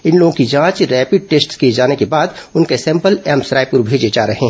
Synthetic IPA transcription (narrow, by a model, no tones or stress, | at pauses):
ɪnloːɡõkid͡ʒãːt͡ʃɾɛːpɪɖ̚ʈeːsʈskied͡ʒaːnekebaːd̪ʊnkesɛ̃ːmpəlɛmsɾaːɪp̚pʊɾbʱeːd͡ʒed͡ʒaːɾɐɦẽɦ